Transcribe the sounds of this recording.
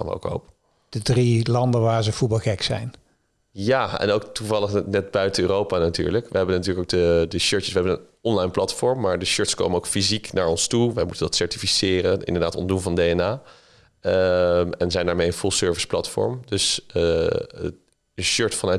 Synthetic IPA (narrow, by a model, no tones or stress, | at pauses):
aːnʋəo̰ʊko̰wp | d̥ədrilɑndəʋaːɹzəv̥ut̚bɑlˠxɛksɛ̰jn | jaːɛ̰nowktuvɑlˠəχnɛtbœɥtəøːrowpanaty̰ːɹləkʋəɦɛbənatyːləkowɡ̚dədəʃøɹtəsʋəɦɛbənən | ɔnlɑjnplɑtfɔɹmːaːɹdəʃøɹtsko̰wmənoʊwkfiziknaːɹɔnstuʋɛjmutəndɑtsɛɹtifisɪːrənɪ̰ndəɹdaːtɔ̰ndunvɑndeɛnaː | əmɛ̰nəzɛjndaːɹmejənfulˠsøɹvəsplɑtfɔ̰ɹmdøsə | əʃøɹtfɑnœ